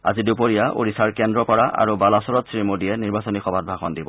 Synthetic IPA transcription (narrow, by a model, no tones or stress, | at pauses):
a̰zidupoɹijaʔo̰ɹisaɹkɛndɹɔpɔɹaʔa̰ɹubalasɔɹɔtsɹimodijɛniɹbasɔnixɔbʱat̚bʱaxɔndibɔ